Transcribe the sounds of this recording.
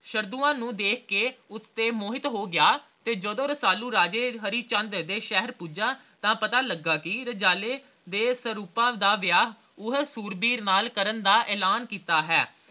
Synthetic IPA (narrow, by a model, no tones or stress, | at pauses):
ʃəɾd̪uːãːnũːd̪eːkʰkeːʊst̪eːmoːɦɪt̪ɦoːɡɪaːt̪eːd͡ʒəd̪õːɾəsaːluːɾaːd͡ʒeːɦəɾiːt͡ʃə̃nd̪d̪eːʃɛɦəɾpuːd͡ʒãː | t̪ãːpət̪aːləɡːaːkiɾəd͡ʒaːleː | d̪eːsəɾuːpãːd̪aːʋjaːɦ | ʊɦsuːɾbiːɾnaːlkəɾənd̪aːʔɛːlaːnkiːt̪aːɦɛː